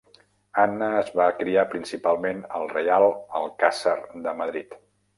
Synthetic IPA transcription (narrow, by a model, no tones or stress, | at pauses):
anəːzβakɾiapɾinsipalˠmenəlˠrəjalˠəlˠkasərd̪əməðɾit̪